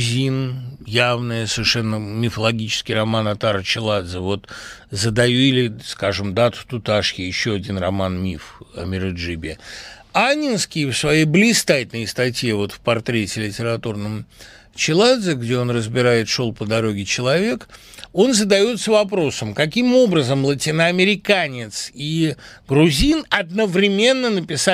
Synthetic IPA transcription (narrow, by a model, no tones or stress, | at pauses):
zʲinjavnɨjəsəvʲɪrʂɛnːəmʲɪfəlˠɐɡʲit͡ɕɪ̥skʲɪjrɐmanɐt̪aɾət͡ɕɪlˠad̪zəvo̞t̪zəd̪ɐjuɪlʲɪskaʐɨmd̪at̪ʊ̥t̪ʊt̪aʂjʲɪjɪɕːoɐdʲinrɐmanmʲifɐ̰mʲɪɾɨʐɨbʲɪ | anʲɪnskʲɪjfsvɐjejblʲɪst̪atʲnəjst̪ɐtʲjevo̞t̪fpɐrt̪ɾʲetʲɪlʲɪtʲɪɾɐt̪urnəm | t͡ɕɪlˠad̪zʲɪɡdʲeo̞nrəzbʲɪɾajɪt̪ʂo̞lˠpəd̪ɐɾo̞ɡʲɪt͡ɕɪlˠɐvʲe̞k | o̞nzəd̪ɐjo̞t̪səvɐpɾo̞səmkɐk̬ʲimo̞bɾəzəmlˠətʲinəɐmʲɪɾʲɪkanʲɪt̪siɡɾʊzʲinɐd̪̚nəvɾʲɪmʲe̞nːənəpʲɪsa